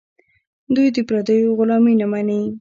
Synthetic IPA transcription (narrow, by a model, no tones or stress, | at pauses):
d̪ujd̪əpɾad̪ajoɣʊlɑminamanei